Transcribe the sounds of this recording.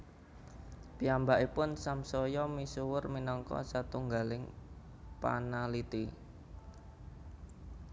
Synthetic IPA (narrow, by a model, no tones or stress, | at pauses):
piambaʔipʊnsamsɔjɔmisuwʊrminɔŋkɔ̰sat̪uŋɡalɪŋ | pa̰nalit̪i